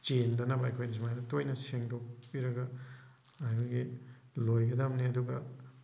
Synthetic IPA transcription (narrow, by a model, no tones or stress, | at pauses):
t͡ʃendɐnɐbɐɐjkʰojnis̬imajdɐtojnɐseŋdok̚piɾɐɡɐ | ɐjoɡi | lojɡɐdamniɐduɡɐ